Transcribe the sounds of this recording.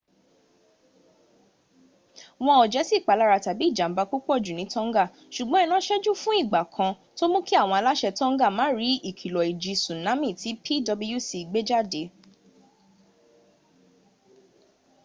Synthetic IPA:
w̃ɔ̃˧ɔ˨d͡ʒɛ˨˦si˦˨k͡pa˨˦la˦ɾa˧ta˨bi˨˦i˦˨d͡ʒa˨m̩˦ba˧ku˦k͡pɔ˦˨d͡ʒu˨nĩ˨˦tɔ̃˦ŋ˦ɡa˦˨ | ʃu˨ɡ͡bɔ̃˨˦ɛ˦˧nã˦ʃɛ˦d͡ʒu˦fũ˦i˦˨ɡ͡ba˨kʰã˧ | to˦mũ˦ki˦a˦˨w̃ɔ̃˧a˧la˦ʃɛ˧tɔ̃˦ŋ̩˦ɡa˦˨mãː˨˦ɾi˨˦i˦˨kʰi˨lɔ˨i˨d͡ʒi˨˧˦sũ˨nã˨˦mĩ˦˨ti˨˦pʰi˦dɔ˧bi˧ju˦˨si˧˨ɡ͡be˦d͡ʒa˦˨de˨˦

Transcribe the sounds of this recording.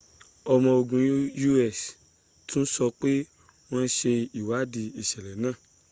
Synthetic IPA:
ɔ˧mɔ̃˧o˨ɡũ˨ju˦ɛ˦˨s | tũ˦n̩˦sɔ˧k͡pe˦ | w̃ɔ̃˦˧n̩˦ʃe˧i˨wa˨˦di˧i˨ʃɛ˨lɛ˨˦nãː˦˨

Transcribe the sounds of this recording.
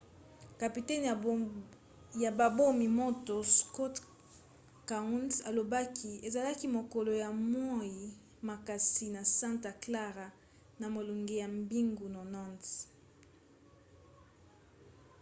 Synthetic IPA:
ka˨pi˨tɛ˦n˨ | ja˨ba˨bo˦mi˨mo˦to˨skɔ˦t | ka˨u˦nsa˨lo˨ba˦kʰi˦e˨za˨la˦ki˦mo˨ko˨lo˨ja˨mɔ˦i˨ | ma˨ka˨si˨na˨sã˦nta˨kla˦ʁa˨ | na˨mo˨lu˨ŋɡe˨ja˨mbi˦ŋɡu˨no˨nɔ˦˨nts

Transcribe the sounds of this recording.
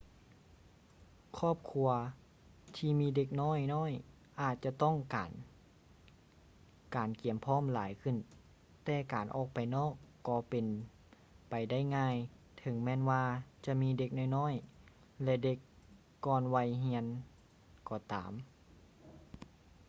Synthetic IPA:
kʰɔː˧˥˩p̚kʰu˧ɐ | t̪ʰiː˧miː˧˨de˧k̚nɔː˥˨jnɔː˧˥˨j | ʔaː˨˧˩t̪̚t͡ɕa˧˨t̪ɔ˥˩˨ŋka̰ː˨n | kaː˨˩nki˨˩əmpʰɔː˧˥˨mlaː˨˦jkʰɯ˧˩˨n | t̪ɛː˧˩kaː˨˩nʔɔ̰ː˧˩k̚pa˨jnɔː˧˥˩kːɔː˧˩pe˨n | pa˨˩jda˥˩jŋaː˧˥˨j | t̪ʰɤ˨˦ŋmɛː˧˥˨nwaː˧t͡ɕa˧miː˧˥de˧k̚nɔː˧˩˨jnɔː˥˨j | lɛ˧de˧˦kː | ɔː˧˨nwa˧jɦi˧ən | kɔː˧˩t̪a̰ː˨˩m

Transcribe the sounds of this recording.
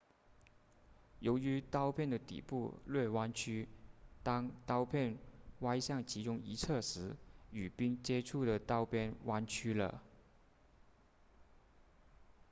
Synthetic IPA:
jo˧˥ʊy˧˥t̪ɑ˥ʊpʰjɛ˥˩nd̪ə˩t̪ḭ˨˩pu˥˩lwe˥˩ɪwa˥nt͡ɕʰy˥t̪ɑ˥ŋt̪ɑ˥ʊpʰjɛ˥˩nwa˥ɪɕjɑ˥˩ŋt͡ɕʰi˧˥ʈ͡ʂʊ˥ŋi˧˥t͡sʰɤ˥˩ʂɻ̩˧˥y˨˩pi˥ŋt͡ɕjɛ˥ʈ͡ʂʰu˥˩d̪ə˩t̪ɑ˥ʊpʰjɛ˥nwa˥nt͡ɕʰy˥lə̰˨

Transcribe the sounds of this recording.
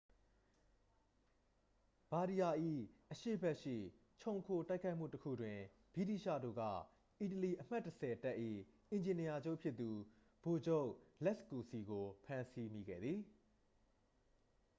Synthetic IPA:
b̥a˨ɾi˨ja˨ʔḭ˦˨ʔəʃḛ˦˨bɛ˦ʔʃḭ˦˨ | t͡ɕʰõ˨ʊ̃ŋkʰo˨ta˦ɪkʰa˦ɪm̥ṵ˦˨təkʰṵ˦˨dwɪ̃˨ | b̥i˦˨tḭ˦˨ʃä̰˦˨do̰˦˨ɡa̰˦˨ | ʔi˨t̬əli˨ʔəm̥a˦˨tːəsɛ˨ta˦ʔḭ˦˨ʔɪ̃˨ɲd͡ʑɪ̃˨ni˨ja˨d͡ʑo˦˨pʰjɪ˦t̪ːu˨ | b̥o˨d͡ʑo˦˨ʔlɛ˦sku˨si˨ɡo˨pʰã˦nsi˦mi˨ɡɛ̰˦˨d̪ði˨

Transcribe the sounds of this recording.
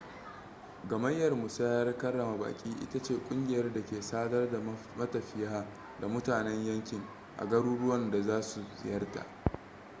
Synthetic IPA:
ɡɐ˨mɐ˦jːɐ˨rmʊ˨sa˦jɐ˦rkɐ˦rːɐ˨ma˨ba̰ː˨kʲʼiː˦ʔɪ̰˦ta˦t͡ʃeː˦˨kʷʼʊ˦ŋɡʲɪ˨jɐ˦rda˨kʲeː˨saː˦dɐ˦rda˨ | mɐ˦tɐ˨ɸɪ˦jaː˦ | da˨mʊ˦taː˨nɛ˦ɲjɐ˦ŋkʲɪ˨ŋ | ʔa̰˨ɡɐ˦ɽuː˦ɽʊ˦wɐ˦nda˨zaː˦su˨zɪ̰˨jɐ˦rta̰˨ʔ

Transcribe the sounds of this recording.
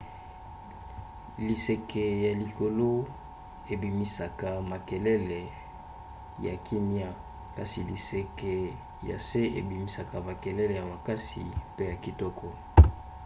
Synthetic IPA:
li˨se˨kɛ˨ja˨li˨ko˨lo˦ | e˨bi˨mi˨sa˨ka˨ma˨kɛ˨lɛ˦lɛ˨ | ja˨ki˦mja˦ | ka˨si˨li˨se˨kɛ˨ | ja̰˨se˦ʔḛ˨bi˨mi˨sa˨ka˨ma˨kɛ˨lɛ˦le˨ja˨ma˨ka˦sḭ˨pe˦ja˨ki˦tɔ˦kɔ˨

